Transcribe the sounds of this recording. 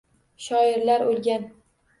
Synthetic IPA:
ʃɒɪɾlaɾolˠɡʲan

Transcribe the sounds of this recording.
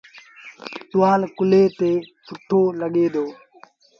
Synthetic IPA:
ɗʊʋaːlkʊleːt̪eːpʊʈʰːoːləɠeːd̪oː

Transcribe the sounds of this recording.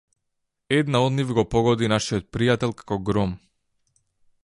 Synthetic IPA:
ɛd̪naɔd̪nivɡɔpɔɡɔd̪inaʃijɔt̪̚pɾijat̪ɛlˠkḁkɔɡɾɔm

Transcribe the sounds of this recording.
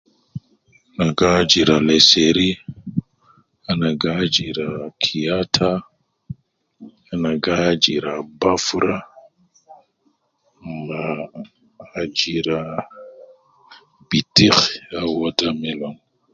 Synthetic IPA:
naɡad͡ʒiɾaleseɾi | anaɡad͡ʒiɾakʰiatʰa | anaɡad͡ʒiɾabafuɾa | ŋɡaː | d͡ʒiɾa | b̥itixawodamɛloŋ

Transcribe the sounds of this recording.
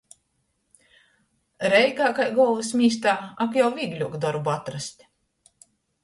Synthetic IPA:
ɾɛlʲkaːkajɡɔlˠvɨsmʲiːst̪aːakjawviːɡlʲuɔkd̪ɔɾbuat̪ɾast̪ʲ

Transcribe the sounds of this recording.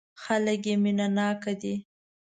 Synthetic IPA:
xalək̬jeminanɑkad̪i

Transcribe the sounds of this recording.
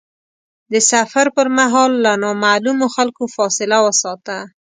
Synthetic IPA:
d̪əsafaɾpəɾmaɦɑlːanɑmalumoxalkofɑsɪlawəsɑt̪a

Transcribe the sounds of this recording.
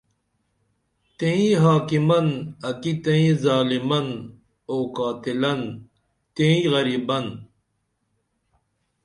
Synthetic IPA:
t̪eĩɦaːkimɐnɐkit̪ẽĩzaːlimɐn | oːkaːt̪ilɐn | t̪ẽĩɣɐɾiːbɐn

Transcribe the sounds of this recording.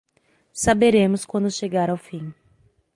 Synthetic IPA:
sabeɾẽmʊskwɐ̃nd̪ʊʃeɡaɾawfĩj̃

